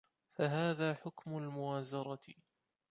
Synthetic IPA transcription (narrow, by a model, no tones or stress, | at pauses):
faɦaːðaːħʊkmʊlmʊwaːzɑɾˤɑt̪